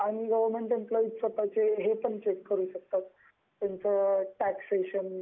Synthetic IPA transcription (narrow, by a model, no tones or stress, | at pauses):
aɽ̃iɡəʋəɾmeɳʈemplɔiʈsəpat͡seɦepəɳt͡ɕekːəɾuːɕək̚t̪at̪ː | jant͡səʈækseɕən